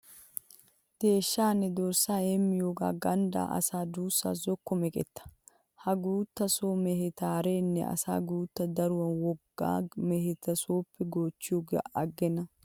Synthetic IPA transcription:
t̪e̞ːʃːaːnɛd̪ɔɾsaːemːɪjoɡa̰ːɡɐnd̪a̰ːʔɐ̰saːd̪uːsːa̰ːzɔkːɔmɛkʼɛ̰t̪ːɐ̥ | hɐɡuːt̪ːɐsoːmɛhɛt̪aːɾeːnːɛ̰ɐ̰sa̰ːɡuːt̪ːɐd̪ɐɾʊwɐnwɔɡːa̰ːmɛhɛt̪ɐsoːpːɛɡoːt͡ʃːɪuɡ̰ʔɐɡɛnɐ

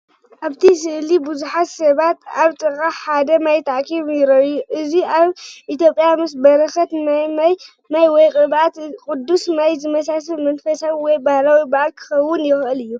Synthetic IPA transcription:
ʔaβt̪ʰisɨʔlibɨzuħat̪sɐβat̪aβt͡sʼɨkʼaħad̪ɐmajt̪ʰaʕkʰiβjɪɾɐjuʔɨziʔaβʔit̪jo̞pʼːjamɨs̬bɐɾɐxɐt̪najmaj | majwɔjkʼɨβat̪kʼʊd̪ːusnajzɨmɐsas̬ɨβmɐnfɐsawwɔjbahlawibaʔalkʰɨ̥xɐwːʊnjɪxʔɨlɨjːu

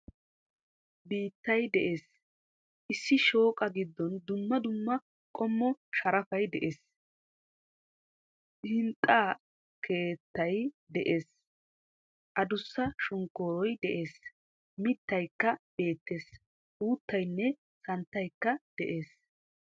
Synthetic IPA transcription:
biːt̪ːɐjd̪ɛʔe̞ːs | ʔɪsːɪʃo̞ːkʼɐɡɪd̪ːɔnd̪ʊmːɐd̪ʊmːɐ | kʼɔmːɔʃɐɾɐfɐjd̪ɛʔe̞ːs | hɪnt̪ʼːaː | kʰe̞ːt̪ːɐj | d̪ɛʔe̞ːs | ʔɐd̪ʊsːɐʃʊŋkːoːɾɔjd̪ɛʔe̞ːs | mɪt̪ːɐjkːɐb̥e̞ːt̪ːeːs | ʔuːt̪ːɐjnːɛ | sɐnt̪ːɐjkːɐd̪̥ɛʔe̞ːs

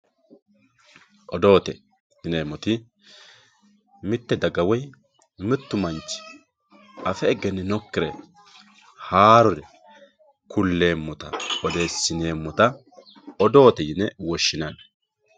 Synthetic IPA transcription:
ʔɔd̪o̞ːt̪ɛ | jɪne̞ːmːɔt̪ɪ | mɪt̪ːɛd̪ɐɡɐwɔj | mɪt̪ːʊmɐnt͡ʃːɪ̥ | ʔɐfɛːɡɛnːɪnɔkːɪɾɛ̰ | haːɾɔɾɛ | kʰʊlːe̞ːmːɔt̪ɐ̰ɔd̪e̞ːsːɪne̞ːmːɔt̪ɐ | ɔd̪o̞ːt̪ɛjɪnɛwɔʃːɪnɐn

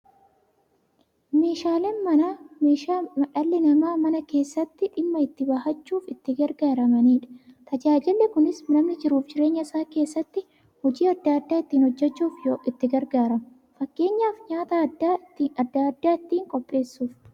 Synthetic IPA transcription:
me̞ːʃaːlenmɐnaːmeːʃaːmɐᶑɐlːɪnɐmaːmɐnɐke̞ːsːɐt̪ːɪᶑɪmːɐɪt̪ːɪbɐhɐt͡ʃːuːfɪt̪ːɪɡɐɾɡaːɾɐmɐniːᶑɐ̥t̪ʰɐd͡ʒaːd͡ʒɪlːɛkʊnɪsnɐmnɪd͡ʒɪɾuːfd͡ʒɪɾe̞ːɲːɐɪsaːke̞ːsːɐt̪ːɪ | hɔd͡ʒiːɐd̪ːaːɐd̪ːaːɪt̪ːiːnhɔd͡ʒːɛt͡ʃːuːfjoːɪt̪ːɪɡɐɾɡaːɾɐmʊ | fɐkːe̞ːɲːaːfɲaːt̪ɐɐd̪ːaːt̪ːiːɐd̪ːaɐd̪ːaːɪt̪ːiːŋkʼɔpʼːe̞ːsːuːf

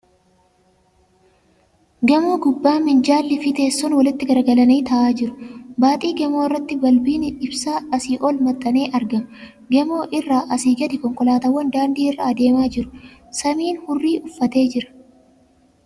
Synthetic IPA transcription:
ɡɛmoːɡʊbːaːmɪnd͡ʒaːlːɪfɪt̪e̞ːsːɔnwɐlɪt̪ːɪɡɐɾɡɐlɐniːt̪ɐʔaːd͡ʒɪɾʊ̥baːt̪ʼiːɡɛmoːɪrːɐt̪ːɪbɐlbiːnɪɪbsaːɐsiːʔɔlmɐt̪ʼːɐneːʔɐɾɡɐm | ɡɛmo̞ːʔɪrːaːʔɐsiːɡɐd̪ɪkɔŋkʼɔlaːt̪ɐwːɐnd̪aːnd̪iːɪrːɐːd̪e̞ːmaːd͡ʒɪɾʊ̥sɐmiːnhʊrːiːʔʊfːɐt̪e̞ːd͡ʒɪɾɐ̥

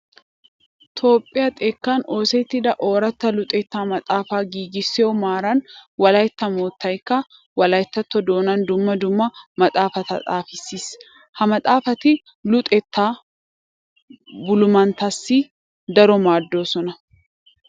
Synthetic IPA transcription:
t̪ʰo̞ːpʼːɪjɐt̪ʼɛkːaːno̞ːsɛt̪ːɪd̪ɐʔo̞ːɾɐt̪ːɐlʊt̪ʼɛt̪ːaːmɐt̪ʼaːfaːɡiːɡɪsːɛɔmaːɾɐnwɐlɐjt̪ːɐmoːt̪ːɐjkːɐ | wɐlɐjt̪ːɐt̪ːɔd̪o̞ːnɐnd̪ʊmːɐd̪ʊmːɐmɐt̪ʼaːfɐt̪ɐ̰t̪ʼaːfɪsːiːs | hɐmɐt̪ʼaːfɐt̪ɪ | lʊt̪ʼɛt̪ːaː | bʊlʊmɐnt̪ɐsːiː | d̪ɐɾɔmaːd̪ːoːsɔnɐ

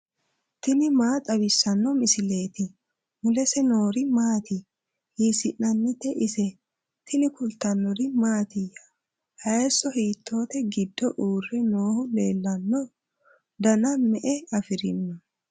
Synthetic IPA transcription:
t̪ɪnɪmaːtʼɐβɪsːɐnːɔmɪsɪleːt̪ɪ | mʊlɛsɛno̞ːɾɪmaːt̪ɪ | hiːsɪnnɐnːɪt̪ɛʔɪsɛ | t̪ʰɪnɪkʊlt̪ːɐnːɔɾɪmaːt̪ɪjɐ̥ | hɐjɛsːɔhiːt̪ːo̞ːt̪ɛɡɪd̪ːɔʔuːrːɛnoːhʊle̞ːlːɐnːɔ | d̪ɐnɐmɛʔɛɐfɪɾɪnːɔ

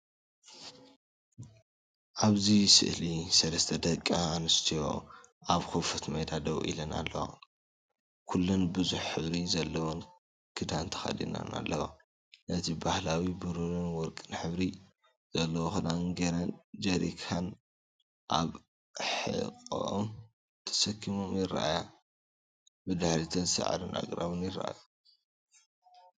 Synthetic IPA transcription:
ʔaβzisɨ̰ʔlisɐlɐst̪ʰɐd̪ɐkʼːaːnɨst̪ʰijo̞̰ʔaβxofɐt̪mɐjd̪ad̪ɐβʔḭlɐna̰lːɐwa̰ | kʰulːunbɨzuħħɨβɾizɐlːɐwon | kʰɨd̪ant̪ʰɐ̥xɐ̰d̪ḭna̰na̰lːɐwa̰ | nɐt̪ʰibahlawibɨɾuɾinwɔɾkʼɨnħɨβɾi | z̥ɐlːɐwoxɨd̪anɡɐɾɐnd͡ʒɐɾḭkʰan | ʔaβ | ħɨ̰kʼʔom | t̪ʰɐ̥sɐkʰːimomjɪrːa̰ʔaja | bɨd̪aħɾit̪ʰɐnzɨsɐʕa̰d̪onʔa̰ɡɾaβonjɪrːa̰ʔa̰ja

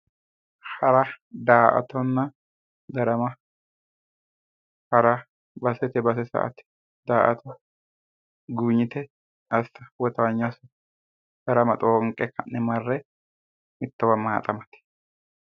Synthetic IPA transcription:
hɐɾɐd̪aːʔɐ̰t̪ɔnːɐ | d̪ɐɾɐmɐ | hɐɾɐ | bɐsɛt̪ɛbɐs̬ɛsɐ̰ʔɐ̰t̪ɛ̥ | d̪aːʔɐ̰t̪ʰɔ | ɡuːɲːɪt̪ɛ | ʔɐst̪ɐwɔt̪ɐwɐɲːasʊ | d̪̥ɐɾɐmɐt̪ʼoːŋkʼːɛkːɐnɪmɐrːɛ | mɪt̪ːɐwɐmːaːt̪ʼɐmɐt̪ɛ̥

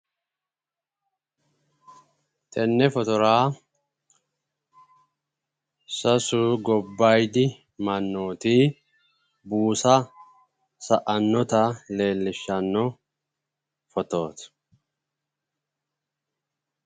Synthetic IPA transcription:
t̪ʼɛnːɛfɔt̪ɔɾaː | sɐsuɡɔbːajd̪ɪ | mɐnːoːt̪iː | buːsɐ | sɐʔɐnːɔt̪ɐle̞ːlːɪʃːɐnːɔ | fɔt̪o̞ːt̪

